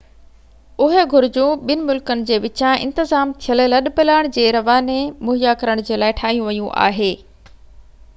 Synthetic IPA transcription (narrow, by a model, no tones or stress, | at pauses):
ʊɦĕɡʱʊɾd͡ʑũɓɪnɪ̆mʊlkənɪ̆d͡ʑeːʋɪt͡ɕãɪ̰̃nt̪ɪzaːmt̪ʰijəlelɐɗpelaːɪɽ̃d͡ʑeːɾɐʋaːnemʊɦijakɐɾəɽ̃d͡ʑeːlaːɪʈʰaːɦijũʋɐjũʔa̰ːɦeː